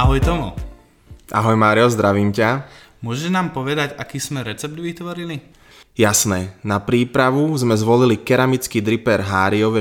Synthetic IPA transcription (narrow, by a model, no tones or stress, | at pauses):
aɦɔjt̪ɔmu | ʔaɦɔjmaːɾiɔzd̪ɾaʋiːmca | mʊɔʒɛnaːmpɔʋɛd̪aɟakiːsmɛɾɛt͡sɛb̚d̪ʋit̪ʋɔɾili | jasnɛːnapɾiːpɾaʋuzmɛzʋɔlilikɛɾamit͡skiːd̪ɾipɛɾɦaːɾiɔʋɛ